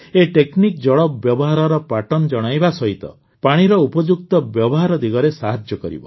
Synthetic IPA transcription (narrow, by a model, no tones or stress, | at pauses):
eʈeknik̚d͡ʒɔɭɔbːjɔbɔɦaɾɔɾɔpaʈɔnd͡ʒɔɽ̃ajbasɔɦit̪ɔ̰ | paɽ̃iɾɔupɔd͡ʒuk̚t̪ɔbjɔbɔɦaɾɔd̪iɡɔɾesaɦad͡ʒjɔkɔɾḭbɔ̰